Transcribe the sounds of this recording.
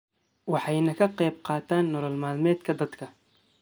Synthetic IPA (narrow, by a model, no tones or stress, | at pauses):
wɑħɑjnɐkʰɐqɛːb̚qɑːt̪ʰaːnːɔɾɐlmaːlmɛːd̪kʰɐd̪ɐd̪kʰɐ